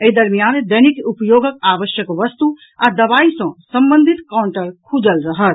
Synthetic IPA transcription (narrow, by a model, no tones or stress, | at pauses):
eɦid̪əɾmijand̪ənikupjoːɡəkaʋəʃjəkʋəst̪u | ad̪əβaisɐ̃sə̃mbənd̪ʱit̪kaʊɳʈəɾkʰud͡ʒəlɾəɦət̪